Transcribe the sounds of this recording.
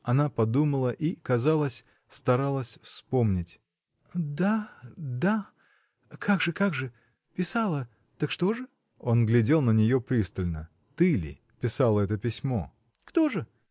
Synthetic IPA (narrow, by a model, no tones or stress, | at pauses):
ɐnapɐd̪uməlˠəʔikɐzalˠəsʲ | st̪ɐɾalˠəsʲfspo̞mnʲɪtʲ | d̪ad̪a | kʰaɡʐɨkaɡʐɨ | pʲɪsalˠə | t̪əkʂt̪o̞ʐɨ | o̞nɡlʲɪdʲe̞lˠnənʲɪjo̞pɾʲist̪əlʲnə̰ | t̪ɨlʲɪ̰ | pʲɪsalˠəɛt̪əpʲɪsʲmo̞̰ | kt̪o̞ʐɨ